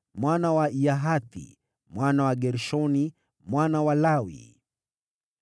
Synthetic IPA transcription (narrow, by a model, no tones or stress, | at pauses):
mwanawaijaɦat̪ḭ | mwanawaɡɛɾʃɔni | mwanawalawḭ